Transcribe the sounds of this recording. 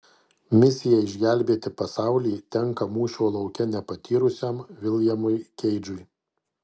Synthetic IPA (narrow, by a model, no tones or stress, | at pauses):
mʲɪsʲɪjɛɪʒʲɡʲæˑlʲbʲeːt̪ʲɪpɐsɑˑʊlʲiːt̪ʲɛŋkɐmuːʃʲoːlˠɐʊkʲɛnʲɛpɐt̪ʲiːɾʊsʲɛmʋʲɪlˠʲjɛmʊɪkʲɛɪd͡ʒʊɪ